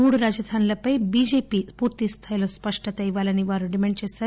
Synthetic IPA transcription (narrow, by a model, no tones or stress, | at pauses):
uɽɾad͡ʑəd̪ʱʰanlɐpɐjbid͡ʑepipuɾt̪ist̪ʰajlõspəʂʈʰət̪ɐjʋalɐniʋaɾuɖimeɳt͡ɕesɐ